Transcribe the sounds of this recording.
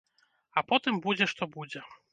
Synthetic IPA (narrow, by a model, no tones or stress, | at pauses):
ɐpɔt̪ɨmbud͡zʲɛʂt̪ɔbud͡zʲɛ